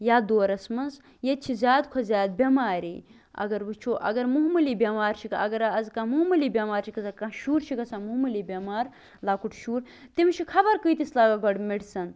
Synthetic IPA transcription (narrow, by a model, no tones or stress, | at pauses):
jaːd̪oːɾɐsmɐnz | jet̪t͡ʃʰizʲaːd̪kʰozʲaːd̪̚bʲɐmaːɾḭː | ɐ̰ɡɐɾbɨt͡ʃʰoːʔɐ̰ɡɐɾmuɦmɐliːbʲɐmaːɾt͡ʃʰikɐɡɐɾɐzkamuɦmɐliːbʲɐmaːɾt͡ʃʰikɐsakãʃuːɾt͡ʃʰikɐsamuɦmɐliːbʲɐmaːɾ | laːkuʈʰʃuːɾ | t̪imt͡ʃʰikʰɐbɐɾkɨjt̪islaːɡaɡɐɽmiɽsɐn